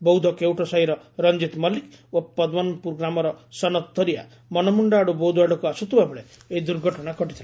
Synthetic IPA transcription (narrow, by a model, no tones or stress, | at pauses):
bɔwd̪ʱɔkewʈɔsaɦiɾɔɾɔnd͡ʒit̪mɔlik | opɔd̪wɔnpuɾɡɾamɔɾɔsɔnɔt̪̚t̪ːɔɾia̰ | mɔnɔmuɳɖaɽubowd̪ʱuaɽɔkuasut̪ʰubabeɭe | eid̪uɾɡʱɔʈɔnakɔʈit̪ʰila